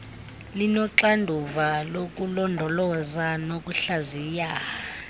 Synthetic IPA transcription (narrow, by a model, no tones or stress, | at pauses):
linɔǁandʱuvalok̬ʼulɔndʱɔlɔzanok̬ʼuɬaziːja